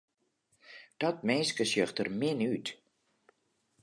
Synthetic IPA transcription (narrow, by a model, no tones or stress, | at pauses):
d̥ɔt̚meskəsjøxtərmɪnyt